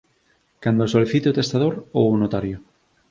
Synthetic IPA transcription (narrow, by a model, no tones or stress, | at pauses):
kand̪osoliθit̪eot̪est̪aðoɾownot̪aɾjo